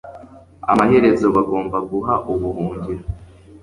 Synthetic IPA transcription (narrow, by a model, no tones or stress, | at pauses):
a̰mahe̞ɾe̞zo̞βaɡo̞ːmbaɡuɦaʔuβuhuːɲɟiɾa